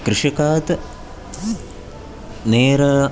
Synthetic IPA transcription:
kɾɨʂɐkaːt̪ɐ | neːɾɐ

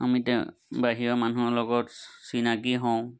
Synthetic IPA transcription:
amitɛbaɦiɔmanulɔɡɔtsinakiɦɔ̃w̃

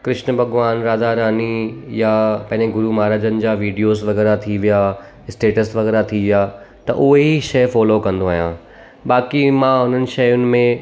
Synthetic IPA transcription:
kɾɪʃnəbʱɐɡʋaːnɾaːd̪aɾaːnijapɐ̃ɦɪ̃ɲd͡ʑeɡʊɾumaːɾaːd͡ʑənɪ̆d͡ʑaːʋiːɖijoːzʋɐɣɛːɾat̪ʰiʋijaː | ɪsʈeːʈəsʋɐɣɛːɾat̪ʰiʋijaː | t̪ɐʔʊɦeɦiʃɐjfɔːlokɐ̃nd̪oaːɦjãː | baːkimãɦʊn̤ənɪ̆ʃɐjʊnɪ̆mẽ

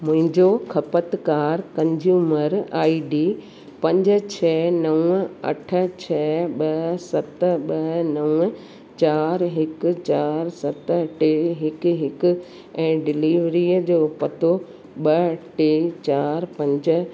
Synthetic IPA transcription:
mʊ̃ɦɪ̃ɲd͡ʑokʰɐpət̪kaːɾkɐ̃ɲd͡ʑjuːməɾaːiɖiː | pɐ̃ɲd͡ʑə̆t͡ɕʰɛːnɐʊ̃ɐ̰ʈʰə̆t͡ɕʰɛːɓɐɦsɐt̪̆ɓɐɦnɐʊ̃ | t͡ɕaːɾɦɪk̆t͡ɕaːɾsɐt̪̆ʈeːɦɪkɦɪkʊ̆ | ɛ̃ːɖɪliːʋɾiːəd͡ʑoːpɐt̪o | ɓɐʈeːt͡ɕaːɾpɐ̃ɲd͡ʑə̆

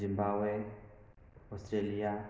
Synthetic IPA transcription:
imbabwɛ | ɔstɾelia

